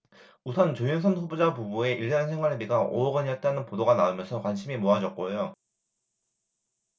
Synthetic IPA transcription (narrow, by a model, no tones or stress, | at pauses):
usʰʌnt͡ɕojins̬ʰʌnɸubud͡ʑapubue̞ʔiɭt͡ɕʌnsʰŋwaɭemiɡaʔo̰ʌɡʌɲiʌt̚t͈anɯnpodoɡanaumjʌnsʰʌkwanɕʰimimoɦad͡ʑʌk̚k͈ojo